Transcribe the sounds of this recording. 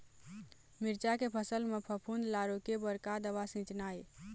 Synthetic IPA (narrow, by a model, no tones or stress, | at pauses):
miɾt͡ʃakepʰəsəlmepʰəpʰunlaɾokebəɾkad̪əʋasĩt͡ʃnaj